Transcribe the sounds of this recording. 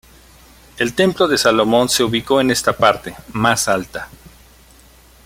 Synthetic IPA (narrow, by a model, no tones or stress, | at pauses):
e̞lt̪e̞mplo̞ðe̞salo̞mo̞nse̞uβiko̞ene̞st̪apaɾt̪e̞masalt̪a